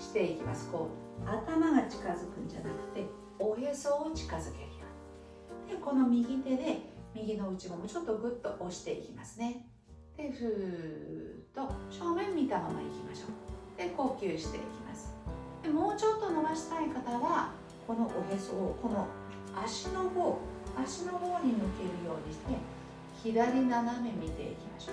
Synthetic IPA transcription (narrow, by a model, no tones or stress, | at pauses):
ɕi̥t̪e̞ikʲima̰sɨ̥ko̞ | at̪amaɡat͡ɕi̥kazɨkɯ̟̃ɲ̟d͡ʑa̰nakɯ̟̥t̪e̞ | oheso̞ːt͡ɕi̥kazɨke̞̰ɾʲija | d̪̥e̞ko̞no̞mʲiɡʲit̪e̞d̪e̞mʲiɡʲino̞ɯ̟t͡ɕimomot͡ɕo̞t̪ːo̞ɡɯ̟t̪ːo̞ʔoɕi̥t̪e̞ḭkʲimasɨne̞ | d̪̥e̞ɸɯ | t̪o̞ɕo̞ːmẽ̞mːʲit̪amama̰ḭkʲimaɕo̞ːd̪̥e̞ko̞ːkʲɨːɕi̥t̪e̞̰ikʲimasɨ̥d̪̥e̞mo̞ːt͡ɕo̞t̪ːo̞noβaɕi̥t̪aikat̪aβa | ko̞no̞ʔoɦesooko̞no̞ | aɕino̞ho̞ːaɕino̞ho̞ːɲ̟imɯ̟ke̞ɾɯ̟jo̞ːɲiɕt̪e̞ | çid̪aɾʲinanamẽ̞mʲːit̪e̞̰ikʲimaɕoː